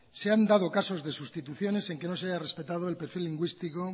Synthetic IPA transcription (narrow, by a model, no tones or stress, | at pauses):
seand̪að̞o̞kaso̞zðe̞sust̪it̪uθjo̞ne̞se̞ŋke̞no̞seajare̞spe̞t̪að̞oelpe̞ɾfilːiŋɡwist̪iko